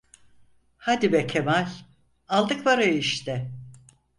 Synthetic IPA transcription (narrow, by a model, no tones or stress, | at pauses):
had̪ibɛkʰemalʲ | alˠd̪ɯkvaɾaiʃt̪ɛ